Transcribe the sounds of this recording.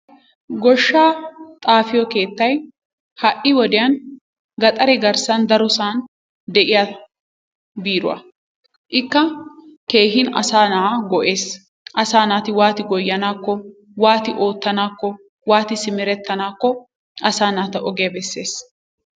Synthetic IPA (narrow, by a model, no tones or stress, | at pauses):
ɡɔʃːaːt̪ʼaːfɪjɔke̞ːt̪ːɐj | hɐʔɪwɔd̪ɪjɐn | ɡɐt̪ʼɐɾɛɡɐɾsɐnd̪ɐɾʊsaːn | d̪ɛʔɪja | biːɾʊ̰wɐ̰ | ʔɪkːɐke̞ːɦɪnɐ̰saːnɐaɡɔʔe̞ːs | ʔɐsaːnaːt̪ɪwaːt̪ɪɡɔjːɐnaːkːɔ | waːt̪ɪʔo̞ːt̪ːɐnaːkːɔ | waːt̪ɪsɪmɪɾɛt̪ːɐnaːkːɔ | ʔɐsaːnaːt̪ɐʔɔɡejɐbɛsːe̞ːs